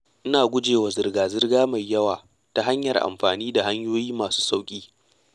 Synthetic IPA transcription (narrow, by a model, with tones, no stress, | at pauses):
ʔɪ˦naː˨ɡʷʊ˦d͡ʒeː˨wa˨zɪ˨rɡaː˨zɪ˦rɡaː˦ma˨jːɐ˦waː˨ | ta˦ɦa˦ɲjɐ˨rʔa̰˨mɸaː˨niː˦da˨ha˦ɲjoː˦jiː˦maː˨su̥ː˦sa˦wkʲʼiː˦